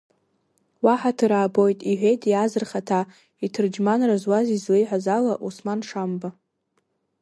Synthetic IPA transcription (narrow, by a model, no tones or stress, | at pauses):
waħatʰɨɾaːbo̞jtʼiħʷejtʰjazɨrχatʰa | itʰɨrd͡ʒmanrazwazizlejħʷazalaʔusmanʂamba